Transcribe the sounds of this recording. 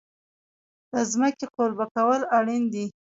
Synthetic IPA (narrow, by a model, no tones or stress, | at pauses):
d̪̥əzməkeqolbakawəlaɽind̪i